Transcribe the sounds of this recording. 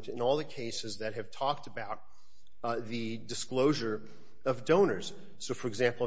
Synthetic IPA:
tɨ̃nɔlˠðɨkʰeɪsɨzðɨt̚ɦɨv̥tʰɔk̚tɨbaʊt̪̚ | ðɨ | dɨskloʊʒə˞ | ʌvdõʊ̃nə˞z̥ | soʊfə˞ɨɡzæ̃mpl̩ˠ

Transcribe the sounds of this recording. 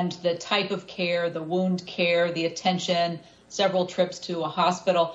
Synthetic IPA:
nðɨtʰaɪpʌv̥kʰɛɹðəwũndkʰɛɹðiɨtʰɛ̃nʃɨ̃n | sɛvɹl̩ˠtʰɹ̥ɪpstʰɨəhɑspɪɾl̩ˠ

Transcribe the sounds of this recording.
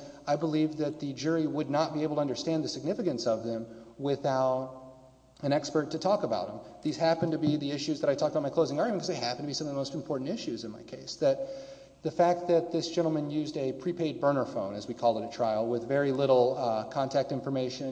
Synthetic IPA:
aɪbəlivðɨt̪̚ðɨd͡ʒʊɹiwədⁿnət̚b̥ieɪbl̩ˠtʰəʌ̃ndə˞stæ̃nðɨsɨɡ̚nɪfɨkɨ̃nsʌvðɨ̃mwɪθaʊɾ | ɨ̃ɾ̃ɛkspə˞tʰɨtʰɔkəbaʊɾ̚hə̃mðiz̥hæpɨ̃ntʰɨbiðiɪʃʉzðəɾaɪtʰɔk̚t̚əbaʊtmakʰloʊzɪ̃ŋɑɹɡjmnkʰʌzðeɪhæpn̩tʰɨbisʌ̃mʌvðəmoʊstm̩pʰɔɹʔn̩tɪʃʉzɨ̃nmaɪkʰeɪsðɨt̪̚ | ðɨfæk̚t̪̚ðɨt̪̚ðɪsd̥ʒ̥ɛ̃ɾ̃l̩ˠmɨ̃njʉzdɨpʰɹ̥ipʰeɪd̚bɜ̃˞nə˞fõʊ̃nɨzwikʰɔlˠəɾɨtʰɹ̥aɪl̩ˠwɪðvɛɹilɪɾl̩ˠkʰɑ̃ntʰæk̚tɪ̃ɱfə˞meɪʃɨ̃n

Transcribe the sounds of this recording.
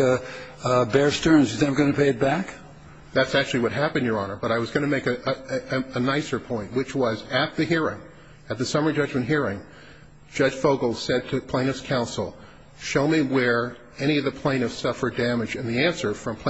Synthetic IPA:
bɛɹstɜ̃˞nzjɨzæɡ̥ʌnɨpʰeɪɨt̚b̥æk | ðætsæk̚t͡ʃʉl̩ˠiwʌt̚ɦæpɨ̃ndjə˞ɑnə˞bʌɾaɪwʌzɡʌñɨmeɪkɨʔɨnaɪsə˞pʰɔ̃ɪ̃nʔ̚wɨt͡ʃwʌzɨt̪̚ðɨhiɹɪ̰̃ŋ | ɨt̪̚ðɨsʌmə˞d͡ʒʌd͡ʒmɨ̃nʔɦiɹɪ̃ŋ̥ | d͡ʒ̥ʌ̥ʒ̥foʊɡl̩ˠsɛd̚tʰɨpʰl̥ẽɪ̃nɨfskʰãʊ̃nsl̩ˠ | ʃoʊmiwə˞ | ɛɾ̃iʌvðɨpʰl̥ẽɪ̃ñʌv̥sʌfə˞dæmɨd͡ʒɨ̃nðiæ̃nsə˞fɹʌ̃mpʰ

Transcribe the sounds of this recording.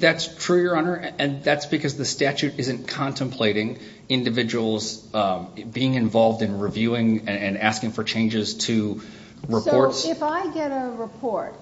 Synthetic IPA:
ðætstʰɹ̥ʉjə˞õnə˞ɨ̃nðætsb̥ɨkʰʌzðɨstæt͡ʃʉɾɪzɨ̃nkʰɑ̃ntʰɨ̃mpʰl̥eɪɾɪ̃ŋ | ɪ̃ndɨvɪd͡ʒɨwl̩ˠz | biɪ̃ŋɨ̃ɱvɑlˠvdɨ̃nɹivjʉɪ̃ŋɨ̃næskɪ̃ŋfə˞t͡ʃʰẽɪ̃nd͡ʒɨz̥tʰɨ | ɹɨpɔɹtsɪfaɪɡɛɾəɹɨpʰɔɹt̚

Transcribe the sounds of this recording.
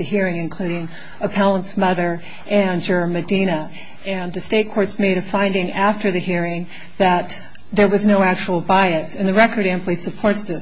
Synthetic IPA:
ɨhiɹɪ̃ŋɨ̃nkʰl̥ʉɾɪ̃ŋ | əpʰælˠə̃ntsmʌðə˞ | ʔɨ̃nd͡ʒə˞mɨdĩɾ̃ə | ɨ̃nðɨsteɪt̚kʰɔɹtsmeɪɾɨfãɪ̃ndɪ̃ŋæftə˞ðɨhiɹɪ̃ŋ | ðɨt̪̚ | ðə˞wʌznoʊæk̚t͡ʃul̩ˠbaɪɨsɨ̃nðɨɹɛkə˞ɾæ̃mplˠisɨpʰɔɹtsðɪ

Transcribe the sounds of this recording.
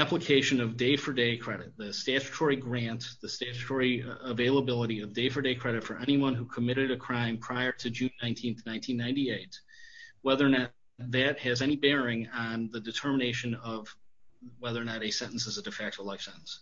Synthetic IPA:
æpləkʰeɪʃɨ̃nʌvdeɪfə˞deɪkʰɹ̥ɛɾɨt̪̚ðɨstæt͡ʃtʰɔɹiɡɹæ̃ntðɨstæt͡ʃtʰɔɹiəveɪlˠəbɪlˠəɾiʌvdeɪfə˞deɪkʰɹ̥ɛɾɨtfə˞ʔɛñiwʌ̃nhukʰəmɪɾɨɾɨkʰɹ̥ãɪ̃mpʰɹ̥aɪə˞ɾɨd͡ʒʉ̃nːãɪ̃ntʰĩnθnãɪ̃ntʰĩnːãɪ̃ntieɪt̚ | wɛðə˞nɨ | ðɨt̚hɨzɛñibɛɹɪ̃ŋə̃nðɨdɨtʰɜ˞məneɪʃɨ̃nʌv̥wɛðə˞nɨɾɨsɛ̃ɾn̩sɨzɨdɨfɛk̚t̚ʰlaɪfsɛ̰̃nn̩s

